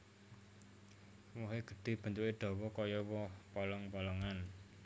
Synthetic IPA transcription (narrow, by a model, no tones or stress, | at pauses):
woɦeɡ̥ə̤ɖ̪̥e̤b̥ə̤nt̪uʔeɖ̪̥ɔ̤wɔkɔjɔwɔhpɔlɔŋpɔlɔŋan